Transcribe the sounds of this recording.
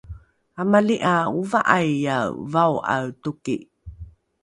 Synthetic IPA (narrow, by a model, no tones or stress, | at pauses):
amaliʔauvaʔajːavawa̰wtuki